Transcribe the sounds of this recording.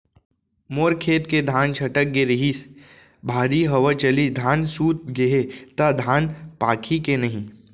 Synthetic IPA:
moːɾkʰeːt̪ked̪ʱaːnt͡ʃʰɐʈək̚ɡeɾɪɦis | bʱaːɾiɦɐʋət͡ʃɐlid̪ʱaːnsuːt̪̚ɡeɦet̪ad̪ʱaːnpaːkʰikenɐɦĩ

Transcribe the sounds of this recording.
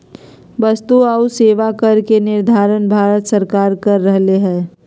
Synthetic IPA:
ʋəst̪uauseːʋakəɾkenɪɾd̪ʱaːɾənbʱaːɾət̪səɾkaːɾkɐɾːəɦleɦɛ̃ː

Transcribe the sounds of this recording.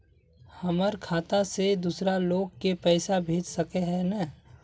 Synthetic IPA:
hɐməɾkʰaːt̪ased̪uːsɾaloːɡ̚kepɛːsabʱeːd͡ʒsɐkeɦɛ̃nɛ

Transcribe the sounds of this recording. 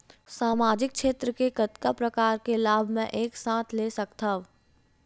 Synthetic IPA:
saːmaːd͡ʒɪk̚kʃeːt̪ɾəkekɐt̪kapɾɐkaːɾkelaːbʱmẽʔeːksãːt̪ʰlesɐkt̪a

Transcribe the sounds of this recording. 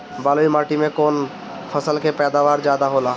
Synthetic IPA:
baːloimaːʈimẽkoːn | pʰəsəlkepɛːd̪aːʋaːɾd͡ʒjaːd̪aɦoːlaː

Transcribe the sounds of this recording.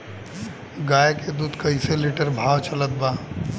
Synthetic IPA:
ɡaːjeked̪uːd̪kɐɦiseliʈəɾbʱaːwt͡ʃɐlət̪̚baː

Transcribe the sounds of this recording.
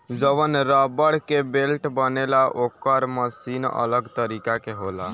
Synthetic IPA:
d͡ʒəʋənɾabəɽkebelʈbənelaʔokəɾməsinə̰ləɡt̪əɾikakeɦola̰

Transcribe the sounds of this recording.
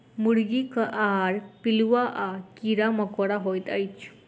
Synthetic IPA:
muɽɡikəʔaɦaɽpilʋaʔakiɾaməkoɽaɦojt̪ajt͡ɕ

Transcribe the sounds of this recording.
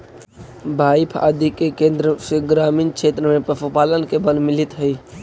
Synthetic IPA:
bʱaːɪpʰa̰ːd̪ikekẽːnd̪ɾəseɡɾaːmiːnkʃeːt̪ɾəmẽpɾəfupaːlənkebəlmɪlɪt̪ɦəi

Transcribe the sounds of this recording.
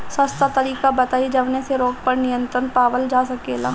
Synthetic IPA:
sɐst̪at̪ɐɾiːkabɐt̪aːid͡ʒɐʋneseɾoːɡpɐɾnɪjə̃nt̪ɾənpaːʋəld͡ʒaːsɐkeːla̰

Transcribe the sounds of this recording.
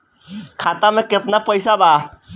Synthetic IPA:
kʰaːt̪amẽkɪt̪napəjsaba

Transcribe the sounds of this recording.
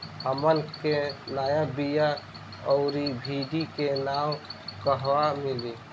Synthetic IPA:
həmənkenajabija | ɔʊɾibʱiɖikenawkəɦwamili

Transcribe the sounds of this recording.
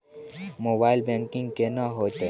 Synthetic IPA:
moːbaːɪlbẽŋkɪ̃ŋɡkenaɦoːt̪e

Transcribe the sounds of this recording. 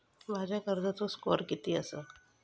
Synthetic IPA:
ʋad͡ʒakəɾd̪at̪oskoːɾkit̪iəsa

